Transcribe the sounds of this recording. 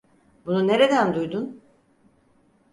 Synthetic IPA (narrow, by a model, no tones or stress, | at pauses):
bunune̞ɾe̞d̪ænd̪ujd̪un